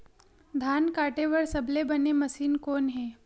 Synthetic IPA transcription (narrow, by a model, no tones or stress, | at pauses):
d̪ʱankaʈeʋəɾsəblebəneməsiːnkoːnɦe